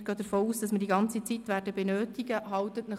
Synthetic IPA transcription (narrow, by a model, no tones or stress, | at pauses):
ɡ̥øːd̪əɾfɔːuːsd̥ɑsməɾdiɡɑnt͡sit͡sit̪ʋæːɾdəbɛnøːtiɡəɦɑwt̪ət̪nə